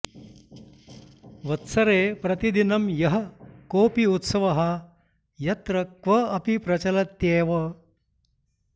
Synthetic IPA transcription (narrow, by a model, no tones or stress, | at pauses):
ʋɐt̪sɐɾeːpɾɐt̪id̪inɐmjɐɦɐkoːpiut̪sɐʋɐɦɐ | jɐt̪ɾɐkʋɐɐpipɾɐt͡ʃɐlɐt̪jeːʋɐ